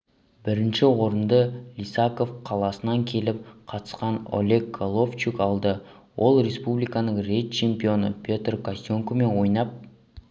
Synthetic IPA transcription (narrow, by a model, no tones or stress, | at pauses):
bɪɾɪnʃɪwo̞ɾənd̪əlʲisako̞fqʰɑlˠɑsənɑŋkʲʰe̞lɪp̚qʰɑt̪ə̥sqɑno̰lʲe̞ɡɡolˠo̞ft͡ʃikɑlˠd̪ə | wʔo̞lˠɾe̞spublijkɑnəɴrejt̪̚t͡ʃʰe̞mpijo̞nəpʲʰo̞t̪rkasjo̞ŋkome̞nwo̞jnɑp̚